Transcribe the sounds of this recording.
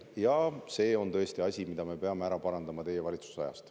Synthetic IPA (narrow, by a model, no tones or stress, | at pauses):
jɑse̞ːo̞nt̪ɤ̞est̪iɑsʲimid̪ɑme̞pe̞ɑmeæɾɑpɑɾɑnd̪ɑmɑt̪e̞jevɑlʲit̪su̥sɑ̰jɑ̰st̪